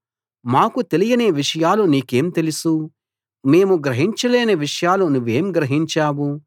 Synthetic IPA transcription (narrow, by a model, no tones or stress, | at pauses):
maːkut̪e̞lijɐneːʋiʂɐjaːluniːke̞ːmt̪e̞lisu | me̞ːmuɡɾɐɦiɲt͡ʃɐleːneʋiʂɐjaːlunuʋːeːmɡɾɐɦiɲt͡ʃaːwu